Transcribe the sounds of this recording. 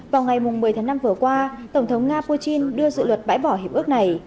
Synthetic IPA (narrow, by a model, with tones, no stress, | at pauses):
vaː˨˩wŋa˨˩jmʊ˨˩ŋ͡mmɨ˨˩ət̪ʰaː˨˦na˧mvɨ˨˩əkwaː˧t̪ə˧˩wŋ͡mt̪ʰə˨˦wŋ͡mŋaː˧pu˧t͡ɕi˧nɗɨ˧əzɨ̰˧˨lwə˨˩t̚ɓa̰ː˧˥jɓɔ˧˩ɦe˨˩p̚ɨ˦˥ək̚na˨˩j